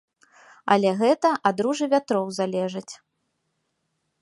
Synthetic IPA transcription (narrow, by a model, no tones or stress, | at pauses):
ɐ̰lʲɛɣɛt̪ɐʔad̪ɾuʐɨvʲat̪ɾɔwzalʲɛʐɐt͡sʲ